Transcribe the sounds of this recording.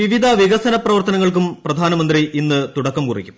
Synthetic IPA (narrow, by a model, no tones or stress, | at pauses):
iʋid̪ʱɐʋiɣɐsɐnɐprɐʋɐrt̪ɐnɐŋːɐɭk̬umprɐd̪ʱaːnɐmɐnd̪riʔinːɨt̪uɽɐkːɐmkurḭkʲːum